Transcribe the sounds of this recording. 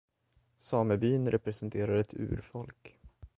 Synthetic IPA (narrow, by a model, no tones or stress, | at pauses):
sɑːməbyːnɾʔɛpɾɛsɛnt̪ʰeːɾaɾɛt̪ʰʉ̟̰ːɾfɔlk